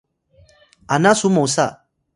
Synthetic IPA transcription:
anãsumɔusa

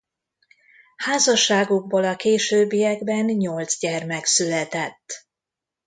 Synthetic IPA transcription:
haːzɒʃːaːɡoɡ̚boːlɒkeːʃøːbːijɛɡbɛnɲo̞ld̪zɟɛrmɛksylɛt̪ɛt̪ː

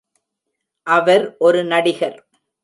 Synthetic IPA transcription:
ʔɐʋɐɾʔɔɾɯnɐɽɪɣɐl

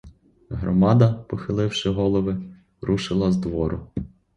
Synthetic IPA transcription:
ɦɾɔmɑd̪ɐpɔxɪlˠɪwʃɪɦɔlˠɔʋɪ | ɾʔuʃɪlˠɐzd̪ʋɔɾʊ

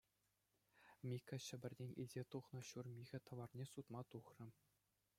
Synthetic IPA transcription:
mʲikʲɑɕɘ̆bʲɘ̆rʲnʲenʲḭlʲzʲet̪uχnɤ̆ɕurmʲiɣʲɘ̆t̪ɤ̆ʋɑrnʲesut̪mɑt̪uχrʲɤ̆

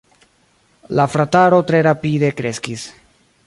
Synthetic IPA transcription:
lafɾataɾo̞tɾe̞ɾapide̞kɾe̞skis

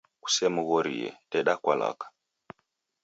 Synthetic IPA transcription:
ku̥sɛmuɣɔɾijɛ̰tɛɗakwala̰kḁ

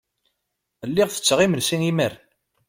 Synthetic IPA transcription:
əlːiʁθə̥t͡sːəʁimənsiŋiməɾ

